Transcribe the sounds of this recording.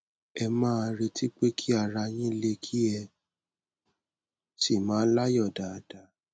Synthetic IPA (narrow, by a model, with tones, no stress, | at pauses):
ɛ˧mãː˦˧ɾe˧tʰi˦k͡pe˦kʰi˦a˦˨ɾa˧j̃ĩ˦le˧kʰi˦ɛ˧ | si˦˨mãː˨˦la˦jɔ˦˨da˨da˨˦